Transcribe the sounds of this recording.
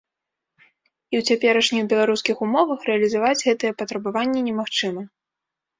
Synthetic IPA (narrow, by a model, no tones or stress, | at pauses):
iwt͡sʲapʲɛɾɐʂnʲixbʲɛlˠaɾuskʲixumɔvɐxrɛɐlʲizavad͡zʲɣɛt̪ɐjɛpɐt̪ɾɐbavanʲːɛnʲɛmaxt͡ʂɨmɐ